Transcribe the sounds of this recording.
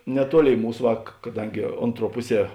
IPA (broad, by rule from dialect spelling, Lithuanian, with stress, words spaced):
nʲɛˈtuɔˌlʲeːɪ ˈmuːs ˈʋɐ k kɐˈdɐŋʲɡʲɪ ˈoːnˌtruɔ ˈpʊˌsʲiɛ